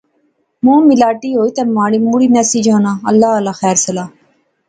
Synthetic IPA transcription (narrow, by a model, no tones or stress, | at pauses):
mõːmɪlaːʈiːɦoːit̪ɛːmaːɽiːmuːɽiːnɛːsid͡ʒɦãːnaːəlːaːəlaːxɛːɾsəlaː